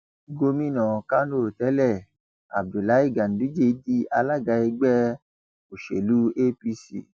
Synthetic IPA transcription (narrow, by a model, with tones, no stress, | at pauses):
ɡo˧mĩ˦˨nã˨ka˦n˦o˦˨tɛ˨˦lɛ˦˨ | a̰˨b̚du˨la˨˦i˦˨ɡa˨n̩˨˦du˨˦d͡ʒe˧˦di˦a˧la˦˨ɡa˧i˧ɡ͡bɛ˦ | o˨ʃḛ˨lu˦e˦pi˧sḭ˦˨